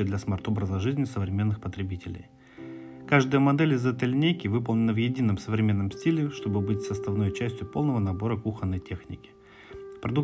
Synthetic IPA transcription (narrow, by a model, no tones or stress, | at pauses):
d̪lʲɐsmɐrt̪o̞bɾəzəʐɨzʲnʲɪsəvɾʲɪmʲe̞nːɨxpət̪ɾʲɪbʲitʲɪlʲɪ̰j | kaʐd̪əjəmɐd̪ɛlʲɪzːəɛt̪əlʲɪnʲejkʲɪvɨpəlˠnʲɪnəvjɪdʲinːəmsəvɾʲɪmʲe̞nːəmsʲtʲilʲɪʂt̪o̞bɨbɨtʲsəst̪ɐvno̞jt͡ɕæsʲtʲjʊpo̞lˠnəvənɐbo̞ɾəkuxənːəjtʲe̞xnʲɪkʲɪ̥ | pɾɐd̪uk